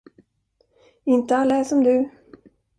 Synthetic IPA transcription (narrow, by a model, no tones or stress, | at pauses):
ɪnt̪əalːaæːʂɔmd̪ʉ